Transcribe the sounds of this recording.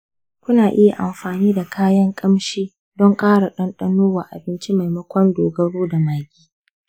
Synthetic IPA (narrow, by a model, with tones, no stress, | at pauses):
kʷʊ˦naː˨ʔɪ˦ja˨ʔa̰˨mɸaː˨niː˦da˨kʰaː˦jɐ˦ŋkʼɐ˦mʃiː˦ | dɔ˦ŋkʼaː˦ɽa˨ɗɐ˦nɗɐ˦noː˦wa˨ʔa̰˨bɪ˦nt͡ʃi˦ma˨jmɐ˦kʷɔ˦ndoː˨ɡɐ˦ɽoː˦da˨maː˨ɡʲʼiː˦